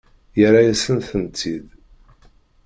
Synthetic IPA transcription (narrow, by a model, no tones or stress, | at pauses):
jəɾajæsənθənt̪ːið